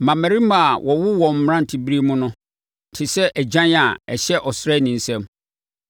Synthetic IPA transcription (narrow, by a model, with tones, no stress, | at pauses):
mã˨mæ̃˨ɾi˦mã˨wʔɔ˨wʊ˦wɔ̃˨m̩˦m˦ã˦n̩˨tʰɪ˨bi˦ɾi˦mʊ̃˦nʊ̃˦˨ | tʰɪ˨sɛ˦ʔæ˨d͡ʑã˦n˦a˨ɛ̰˨ɕɛ˦ʔɔ˨sɾɛ˦˨nĩ˨n̩˦sɛ̃˦m